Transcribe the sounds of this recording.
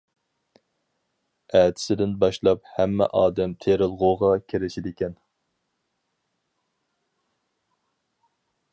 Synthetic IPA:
æːt̪ʰɪ̥sɪd̪ɪnbɑʃlˠɑphæmːɛ̰ʔɑːd̪ɛmt̪ʰeɾɪlˠʁoʁɑkʲʰeɾɪʃɪd̪ɪkʲɛn

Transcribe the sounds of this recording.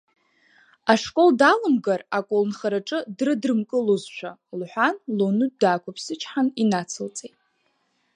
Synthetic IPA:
aʂkʼo̞ldalɨmɡarakʷʼolnχaɾaʈ͡ʂʼɨdrɨdrɨmkʼɨlozʃʷʰalħʷᶣanlonɨdaːkʷapʰsɨt͡ʃʰħaninat͡sʰɨlt͡sʼejtʼ

